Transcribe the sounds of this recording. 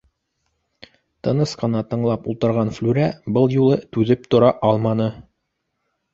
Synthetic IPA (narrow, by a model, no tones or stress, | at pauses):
t̪ɤ̆nɤsqɤ̆nɑt̪ɤ̆ɴlˠɑpulˠt̪ɤ̆ɾʁɑnflʉɾæbɤlˠjulˠɤt̪ʉðɘp̚t̪ŏɾɑʔɑlˠmɑnɤ